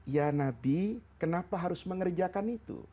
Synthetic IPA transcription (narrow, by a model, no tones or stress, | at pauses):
janabikənapaɦaɾʊsməŋərd͡ʒakanit̪ṵ